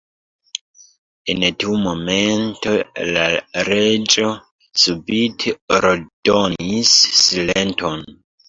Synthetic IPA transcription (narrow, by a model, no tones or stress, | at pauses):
entiumomentolaɾed͡ʒo̞ | subitʰeɾdonisːilentʰon